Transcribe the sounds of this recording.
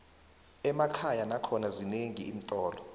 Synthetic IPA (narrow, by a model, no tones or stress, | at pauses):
ɛmakʰajanakʰɔnazineŋiːm̩tʼɔːlɔ